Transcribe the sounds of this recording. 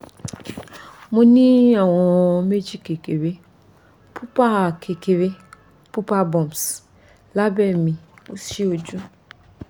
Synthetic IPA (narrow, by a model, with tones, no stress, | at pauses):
mũ˦ni˦a˨wɔ˨me˦d͡ʒi˦ke˨ke˨ɾe˦ | pʰu˦pa˦˨kʰe˨ke˨ɾe˦ | pu˦pa˦bɔ˨ms | la˦be˨mi˨u˦si˦o˨d͡ʒu˦